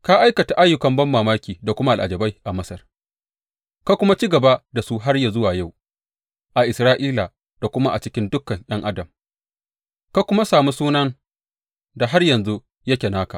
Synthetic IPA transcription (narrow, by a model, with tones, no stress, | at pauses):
ka˦ʔa˦jkɐ˨ta˨ʔa˦jːʊ˦kɐ˨mbɐ˦mːaː˨maː˦kʲiː˨da˨kʷʊ˦ma˦ʔa˨lʔa̰˨d͡ʒɐ˨ba˦jʔa˨mɐ˦sɐ˨r | ka˦kʷʊ˦ma˦t͡ʃi˦ɡɐ˨ba˦da˨su˦ɦa˦rja˨zʊ˦waː˨ja˦˨w | ʔa˨ʔɪ˨sɾaː˦ʔiː˦la˨ | d̥a˨kʷʊ˦ma˦ʔa˨t͡ʃɪ˦kʲɪ˦ndʊ˦kːɐ˨ŋʔj̰ɐ˦ŋʔa˦dɐ˨m | ka˦kʷʊ˦ma˦saː˨mu˦suː˦nɐ˦ŋ | da˨ɦa˦rjɐ˨nzu˦ | jɐ˦kʲe˨naː˦ka˨